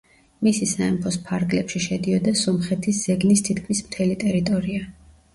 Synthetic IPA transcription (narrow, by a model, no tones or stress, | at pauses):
misisaɛmpʰɔspʰaɾɡlɛpʃiʃɛd̪iɔd̪asɔmχɛt̪ʰisz̥ɛɡnist̪ʰit̪̚ʰkʰmismt̪ʰɛlit̪ʼɛɾit̪ʼɔɾia